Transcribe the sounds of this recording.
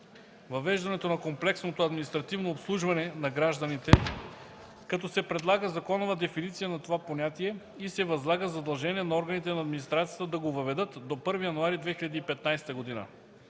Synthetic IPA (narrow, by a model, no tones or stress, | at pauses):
vɐvɛʒd̪ɐnɛt̪onɐkomplɛksnot̪oɐd̪minist̪ɾɐt̪ivnoːpslˠuʒvɐnɛnɐɡɾaʒd̪ɐnit̪ɛ | kɐt̪ɔsɛpɾɛd̪lˠaɡəzɐkɔnovəd̪ɛfinit̪sijənɐt̪ovaponʲat̪iɛ | isɛvɐzlˠaɡəzɐd̪ɐlˠʒɛniɛnɐɔɾɡənit̪ɛnɐːd̪minist̪ɾat̪sijət̪əd̪ɐɡovɐvɛd̪ɤt̪d̪opɤɾvijɐnuaɾid̪vɛxiʎʲɐd̪iːpɛt̪najsɛt̪əɡod̪inə̰